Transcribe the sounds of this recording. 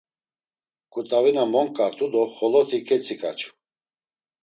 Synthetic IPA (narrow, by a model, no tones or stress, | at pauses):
kʼut̪ʼavinamɔŋkʼaɾt̪ʰud̪ɔχɔlɔt̪ʰikʰɛt͡sʰʼikʼa̰t͡ʃʰu̥